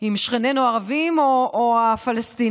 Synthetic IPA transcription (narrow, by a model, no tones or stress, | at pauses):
imʃχenenoaʁavimoʔoafalast̪i